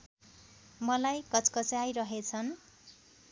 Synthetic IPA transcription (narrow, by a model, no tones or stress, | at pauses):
mʌlajkʌt͡skʌt͡sajɾʌɦet͡sʰʌn